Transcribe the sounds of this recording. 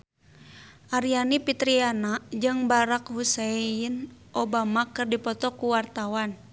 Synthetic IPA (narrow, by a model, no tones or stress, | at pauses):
ʔaɾianipit̪ɾianad͡ʒɨŋbaɾak̚huseinʔɔbamakɨrdipɔt̪ɔkuwart̪awan